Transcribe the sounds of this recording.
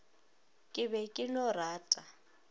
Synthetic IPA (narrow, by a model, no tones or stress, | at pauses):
kʼɪbɛkʼɪnɔraːtʼa